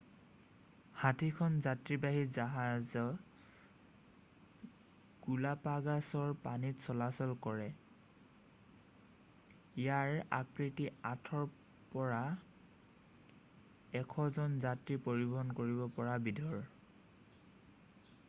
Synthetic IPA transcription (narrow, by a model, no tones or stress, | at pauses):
hatʰikʰɔnzatɹibaɦizaɦazɔ | ɡ̥ulapaɡasɔɹpanitsɔlasɔlkɔɹɛ | ijaɹa̰kɹitiatʰɔɹ | pɔɹa | ɛkʰɔzɔnzatɹipoɹibɔɦɔnkoɹibɔpɔɹabidʱɔɹ